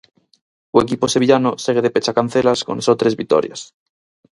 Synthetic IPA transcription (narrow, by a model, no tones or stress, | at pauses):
uek̬ipose̞βiʎanoseɣ̞eðepet͡ʃakan̟θelasko̰nsot̪ɾe̞zβik̚t̪o̰ɾjas